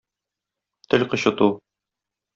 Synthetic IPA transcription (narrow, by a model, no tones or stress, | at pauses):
t̪ʰɘlʲqɤ̆ɕɤ̆t̪u